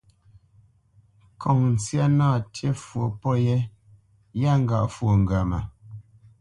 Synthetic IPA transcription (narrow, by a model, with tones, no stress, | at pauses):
kʰɔ˨ŋn̩˨t͡sja˦naː˦˨te˦fwo˨pɔ˦je˦ | ja˦˨ŋ̩˦˨ɡa̰˨ʔfwo˨ŋ˨ɡa˨ma̰˨